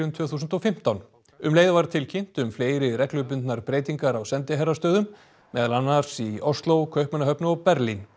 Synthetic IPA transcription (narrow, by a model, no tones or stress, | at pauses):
ʏmt̪ʰv̥œːθuːsʏnt̪ɔfɪm̥t̪awn | ʏmleːjðavaɾt̪ʰɪlcʰɪn̥t̪ʏmfleːjɾɪrɛhklʏp̬ʏnt̪naɾpɾeːjt̪iŋkaɾawsɛnt̪ɪɦɛrːast̪œːðʏmː | ɛːðalanːaɾ̥siɔst̪lowkʰœɥhpmɛnaɦœpnʏɔpɛɾlin